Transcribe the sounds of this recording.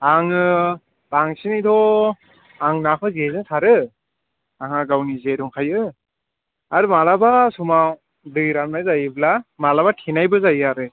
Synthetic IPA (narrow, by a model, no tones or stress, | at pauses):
aŋɯ | baŋsinidɔ | aŋnakʰɯzezɯŋsʰaɾɯ | aŋaɡawnizeduŋkʰajɯ | aɾɯmalabasuma | dɯɾamnajzajɯblamalabatʰinajbɯzajɯaɾɯ